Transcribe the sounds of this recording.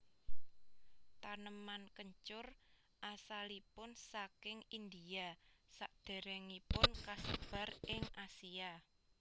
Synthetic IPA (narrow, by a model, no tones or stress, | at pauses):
t̪anəmankəɲt͡ʃʊr | ʔasalipʊnsakɪŋind̪iasaʔd̪̥e̤ɾɛŋipʊnkasəb̥ä̤rʔɪŋasia